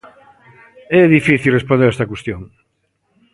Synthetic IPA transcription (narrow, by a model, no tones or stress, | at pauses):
ɛðifiθilrespõnd̪eɾɛst̪ɐkwest̪joŋ